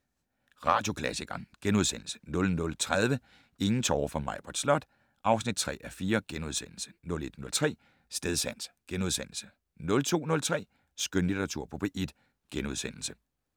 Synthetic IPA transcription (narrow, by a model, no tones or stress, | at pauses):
ʁɑ̈ːd̥jo̝kʰlæsiɡ̥ɐnɡ̥enuðˠsen̰l̩sə̥nɔ̽lnɔ̽lt͡sʰʁað̞ˠʋə | e̝ŋn̩t͡sʰɒʊfɒ̽mɑ̈ɪ̰b̥ʰɒ̽d̥slɒ̽d̥ | ʔɑ̈ʊsnid̥̚t͡sʰʁɛ̰ːæfiːɐɡ̥enuð̞ˠsen̰l̩sə̥nɔ̽le̝d̥nɔ̽lt͡sʰʁɛ̰ː | sd̥eðˠsæn̰sɡ̥enuðˠsen̰l̩sə̥ | nɔ̽lt͡sʰo̝̰ːnɔ̽lt͡sʰʁɛ̰ː | sɡ̥ønlid̥ʰɐʁɑ̈t͡sʰuɐ̰pʰɔb̥eːʔed̥ | ɡ̥enuð̞ˠsen̰l̩sə